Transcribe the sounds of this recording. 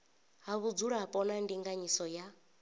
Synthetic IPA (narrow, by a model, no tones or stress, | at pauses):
ɦaβud͡zuɺaɦapʼɔnandiŋɡaɲisɔja